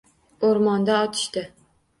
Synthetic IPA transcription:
oɾmɒnd̪aɒt̪ʰɪ̥ʃt̪ɪ

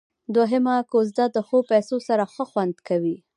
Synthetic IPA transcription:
d̪woɦemakozd̪ad̪əxopajsosaɾaxəxwand̪kawi

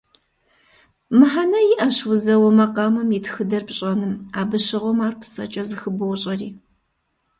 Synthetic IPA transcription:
mɨħanɐjɪʔɐɕwʊzɐwɐmɐqɑːmɐmiːtʰxɨdɐrpɕʼɐnɨmaːbɨɕɪʁʷɔmaːrpʰsɐ̰t͡ʃʼɐzɨxɨbɨwʊɕʼɐriː

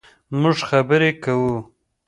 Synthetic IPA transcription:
mʊʐxabəɾekawu

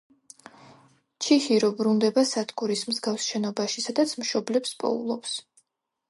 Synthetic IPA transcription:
t͡ʃʰixiɾɔbɾund̪ɛbasat̪ʰkʰʼuɾismzɡafsʃɛnɔbaʃisad̪at̪sʰmʃɔblɛpspʼɔ̰ṵlˠɔps

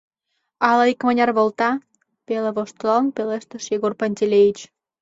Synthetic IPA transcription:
ɑlɑikmɑnʲɑrβolt̪ɑ | peleβoʃt̪lonpeleʃt̪əʃjeɣorpanʲt̪ʲelʲeit͡ɕ

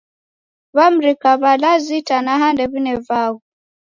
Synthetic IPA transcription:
βam̩ɾikaβalazitanaɦandɛβinɛvau

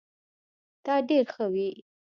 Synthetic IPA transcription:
t̪ɑɖeɾxəwi

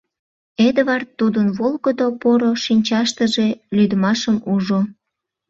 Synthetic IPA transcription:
ed̪əβɑrt̪ːud̪ənβolɣəd̪opoɾoʃinʲt͡ɕɑʃt̪əʒelyd̪əmɑʃəmuʒo

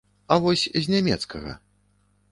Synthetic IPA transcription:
ɐvɔsʲzʲnʲamʲɛ̰t̪skɐɣɐ̰

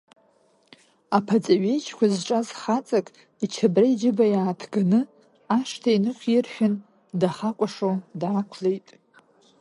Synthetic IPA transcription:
apʰat͡sʼaɥejt͡ʃʰkʷʰazʈ͡ʂʼazχat͡sʼakʼ | it͡ʃʰabraid͡ʒɪbajaːtʰɡanɨ | aʂtʰainɨχʲʷɪrħᶣʊn | daχakʷʼaʂowdakʷʰlejtʼ

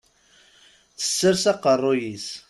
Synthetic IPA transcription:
θə̥sːəɾsɑqərˤːojis

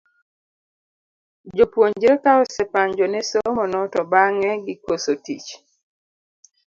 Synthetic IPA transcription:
d͡ʒopwoɲd͡ʒɾekaɔsɛpaɲd͡ʒɔnɛsomɔnɔtɔbaŋɛɡɪkosotḭt͡ʃ

